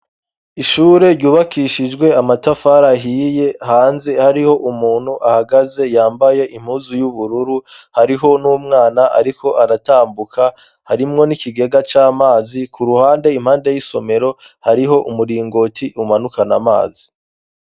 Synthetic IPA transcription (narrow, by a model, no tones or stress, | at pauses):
iʃuːɾe̞ɾɟuːβakiʃid͡ʒɡwe̞amatafaɾaɦiːje̞haːnze̞haɾiho̞ʔumuːn̥huʔahaɡaze̞jaːmbaje̞ʔim̥huːzujuβuɾuɾu | haɾiɦo̞nuːmŋaːnaʔa̰ɾiko̞ʔaɾataːmbukʰa | haɾimŋo̞nikiɡe̞ɡat͡ʃaːmaːzikuɾuhaːnde̞im̥haːnde̞jiso̞me̞ɾo̞ | haɾiɦo̞ʔumuɾiːŋɡo̞tiumanukanama̰ːzi